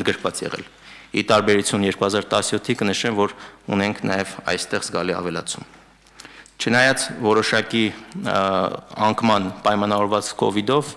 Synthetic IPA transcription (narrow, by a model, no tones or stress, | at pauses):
nɡəɾkʰvɑt͡sjɛ̰ʁɛ̰l | it̪ɑɾbɛɾut͡sʰjunjɛɾkuhɑzɑɾt̪ɑsjɔt̪ʰːikənəʃɛmvɔɾṵnɛŋkʰnɑjɛvɑ̰jst̪ɛʁzɡɑliɑ̰vɛlɑ̰t͡sʰum | t͡ʃʰənɑjɑt͡svɔɾɔʃɑki | ɑŋkʰmɑnpɑjmɑnɑvɔɾvɑt͡skʰɔ̰vid̪ɔv